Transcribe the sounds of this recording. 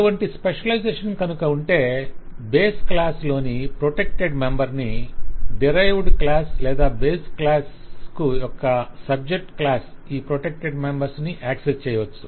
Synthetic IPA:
ɐʈuʋɐɳʈispeʂɐlɐjd͡ʒeːʂɐnkɐnukɐuɳʈe̞ːbeːsklaːslo̞ːnipɾoʈek̚ʈeɖmembɐɾniɖiɾɐjʋɖklaːslɛːd̪aːbeːsklaːskujɔkːɐsɐb̚d͡ʒek̚ʈklaːsiːpɾoʈek̚ʈeɖmembɐɾsniʔaːksest͡ʃɛːjɐʋɐt͡ʃːu̥

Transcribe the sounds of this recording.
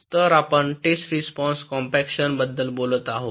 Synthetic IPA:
t̪əɾapəɳʈesʈɾispɔ̃nskɔ̃mpɛkɕənbəd̪ːəlbolət̪aɦo

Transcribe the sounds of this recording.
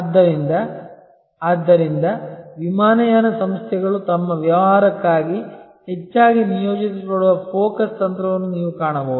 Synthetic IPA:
ɐd̪ːɐɾind̪ɐ | ad̪ːɐɾind̪ɐʋimaːnɐjaːnɐsɐmst̪ʰjɛɡɐɭut̪ɐmːɐʋjɐʋɐɦaːɾɐkːaːɡi | ɦet͡ʃːaːɡinijoːd͡ʒisioɽuʋɐpʰoːkɐst̪ɐnt̪ɾɐʋɐnːuniːʋukaːɳɐbɐʋud̪u

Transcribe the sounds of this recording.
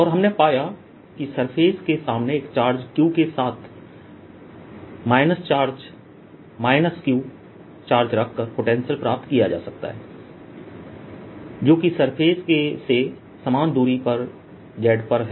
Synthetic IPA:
ɔːɾɦɐmnepaːja | kisɐɾpʰeːzkesaːmneːkt͡ʃaːɾd͡ʒkjuːkesaːt̪ʰ | maːɪnəst͡ʃaːɾd͡ʒ | maːɪnəskjuː | t͡ʃaːɾd͡ʒɾɐkʰːəɾpoːʈẽːnʃəlpɾaːp̚t̪kija̰d͡ʒa̰ːsɐk̚t̪a̰ɦɛː | d͡ʒoːkisɐɾpʰeːzkese | sɐmaːnd̪uːɾipɐɾ | d͡ʒɛːɖpəɾɦɛ

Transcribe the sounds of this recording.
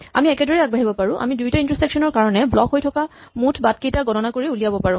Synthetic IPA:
a̰miɛkɛdɔɹɛaɡ̚baɦibɔpaɹʊ̃ʔa̰midujtɔintɹɔseksɔnɔɹkaɹɔnɛblɔkɦojtʰɔkamutʰbat̚kejtaɡɔtɔnakoɹiulijabɔpaɹʊ̃

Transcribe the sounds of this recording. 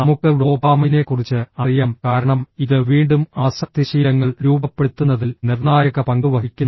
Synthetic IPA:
nɐmukːɨlo̞ːbaːmɐnekurit͡ɕːɨɐrijaːmkaːɾɐɳɐmiðɨʋiːɳɖumaːsɐk̚t̪iɐɕijɐŋːɐɭɾuːbɐpːe̞ɽut̪ːunːɐðilnirnaːjɐɣɐpɐŋɡɨʋɐɦikʲːunː

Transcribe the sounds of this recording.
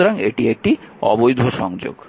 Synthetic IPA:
oɾaŋeʈiek̚ʈiɔ̰bojd̪ʱoʃɔŋd͡ʑo̰ɡ̥

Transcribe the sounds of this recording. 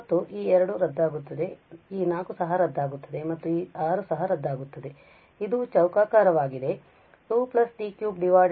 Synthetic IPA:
t̪ːuʔiːɛɾɐɽuɾɐd̪ːaːɡut̪ːɐd̪e̞iːnaːkusɐɦɐɾɐd̪ːaːɡut̪ːɐd̪e̞mɐt̪ːuiːaːɾusɐɦɐɾɐd̪ʱːaːɡut̪ːɐd̪e̞ | id̪ut͡ʃɐwkaːkaːɾɐʋaːɡid̪e̞ | suːplɐsʈiːkjuːbɖiʋaː

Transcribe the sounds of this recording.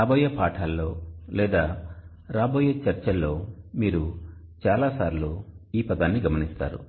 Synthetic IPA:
aːbɔːjɐpaːʈʰaːlːo̞ːlɛːd̪aː | ɾaːbɔːjɐt͡ʃɐɾt͡ʃɐlːo̞ːmiːɾu | t͡ʃaːlaːsaːɾluiːpɐd̪aːnːiɡɐmɐnist̪a̰ːɾṵ

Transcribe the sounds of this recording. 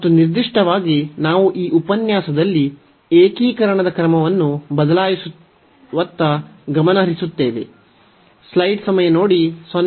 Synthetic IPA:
mɐt̪ːuniɾd̪iʂʈɐʋaːɡinaːʋuʔiːʔupɐnjaːsɐd̪ɐlːi | eːkiːkɐɾɐɳ̃ɐd̪ɐkɾɐmɐʋɐnːubɐd̪ɐlaːjisu | ʋɐt̪ːɐɡɐmɐnɐɦɐɾisut̪ːe̞ːʋe̞̰ | slɐjʈsɐmɐjɐnoːɽisʋɐn

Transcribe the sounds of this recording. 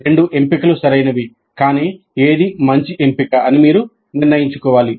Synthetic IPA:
ɾe̞ɳɖuʔe̞mpikɐlusɐɾɐjnɐʋi | kaːniː | eːd̪imɐɲt͡ʃiʔe̞mpikɐɐnimiːɾu | niɾnɐjiɲt͡ʃukɔːʋaːli

